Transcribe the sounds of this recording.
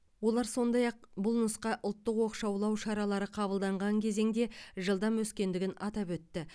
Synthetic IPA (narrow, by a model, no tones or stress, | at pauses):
wo̞lˠɑɾso̞nd̪ɑjɑq̚bʊlˠnəsqɑʔʊlˠt̪ːəqwo̞qʃɑwlˠɑwʃɑɾɑlˠɑɾəqʰɑbəlˠd̪ɑɴʁɑŋkʲʰe̞ze̞ŋd̪e̞ʒəlˠd̪ɑmwɵskʲe̞nd̪ɪɡʲɪnɑt̪ɑpwɵt̪ːɪ